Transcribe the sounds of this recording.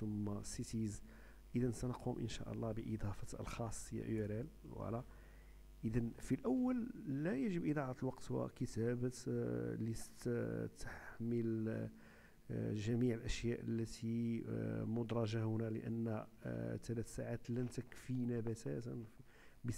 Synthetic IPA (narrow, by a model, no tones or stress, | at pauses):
t̪əmːæsit̪iz | ʔəd̪ænsænqʰumʔə̰nʃæ̰ʔə̰lˤːɑbəʔid̪ˤɑfɑə̰lxɑsˤːjæ̰ʔəɾælwə̰ʕlæ | ʔəd̪ænfilʔæwːəlːæjæʒəbʔəd̪ˤɑʕat̪əlwɑqt̪wə̰kət̪æbəlit̪t̪əħməl | ʒæmiʕəlʔæʃjæʔə̰lːæt̪i | mʊd̪ɾˤɑʒahʊnælə̰ʔə̰nːt̪ælæt̪saʕat̪lænt̪əkfinæbæt̪æt̪n | bə